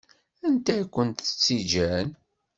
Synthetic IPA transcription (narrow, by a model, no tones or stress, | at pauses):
ænt̪æjkʷːənt̪ə̥t͡sːid͡ʒæn